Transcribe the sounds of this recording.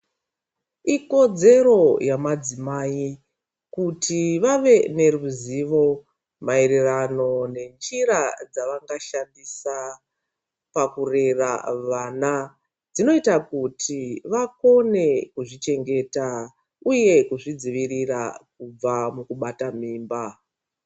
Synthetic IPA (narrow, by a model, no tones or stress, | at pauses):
iko̞d͡ze̞ɾo̞jamad͡zimaːi | kutʰiʋaʋe̞ne̞ruziʋo̞ | maeɾerano̞ne̞nd͡ʒiɾad͡zaʋaŋɡaʃandisa | pakure̞ra̰ʋaːna | d͡zino̞itakutʰiʋako̞ne̞kuʐit͡ʃe̞ŋɡe̞ta | uje̞kuʐid͡ziʋirira̰k̚ub͡vamukuɓatamiːmba